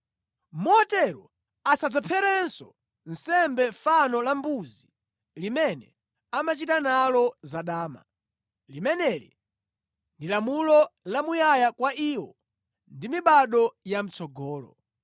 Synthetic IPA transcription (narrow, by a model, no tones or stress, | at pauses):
mɔɔtɛɾɔ | asad͡zapʰɛɾɛnsɔ | n̩sɛmbɛfanɔlambuzi | limɛnɛ | amat͡ʃitanalɔzaɗaːma̰ | limɛnɛɾḭ | ndilamulɔlamujajakwaʔiːwɔ | ndimiɓaɗɔjam̩t͡sʰɔɡɔːlɔ̰